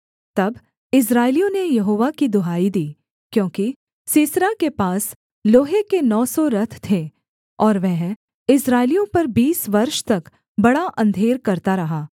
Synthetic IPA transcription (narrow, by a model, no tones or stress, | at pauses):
t̪ɐb | ɪs̬ɾaːɪlijõnejɐɦoːʋakid̪ʊɦaːid̪iː | kjõːki | siːsɾakepaːs | loːɦekenɔːsɔɾɐt̪ʰt̪ʰe | ɔːɾʋɛɦ | ɪsɾaːɪlijõpɐɾbiːsʋɐɾʃt̪ɐk | bɐɽaʔɐ̃nd̪ʱeːɾkɐɾt̪aɾɐɦaː